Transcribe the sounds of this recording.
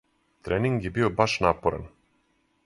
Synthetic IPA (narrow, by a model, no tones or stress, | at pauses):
t̪ɾʔeːniŋɡjebiobaʃnapoɾa̰n